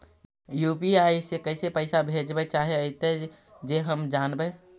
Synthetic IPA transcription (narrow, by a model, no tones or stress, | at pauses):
jupiajsekəɪsepəɪsabʱed͡ʒbɛt͡ʃaɦeəɪt̪e | d͡ʒeɦəmd͡ʒaːnbɛ